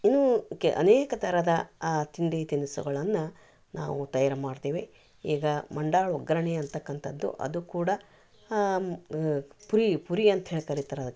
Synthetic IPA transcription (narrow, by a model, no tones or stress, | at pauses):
inːukːḛʔɐ̰neːkɐt̪ʰɐɾɐd̪ɐt̪ind̪et̪inisṵɡɐɭɐnːɐ | na̰ːʋut̪ɐjaːɾɐmaːɽt̪eːʋe | iːɡɐmɐɳɖaːɭɔɡɾɐɳeɐnt̪ɐkːɐnt̪ʰɐd̪ːṵʔɐ̰d̪ukuːɽɐ | puɾipuɾiɐnt̪ɐɦeːɭkɐɾit̪ɐɾɐd̪ɐkː